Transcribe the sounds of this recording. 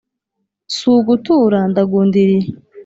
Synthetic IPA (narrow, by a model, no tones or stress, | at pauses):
suːɡutuɾandaɡundiɾi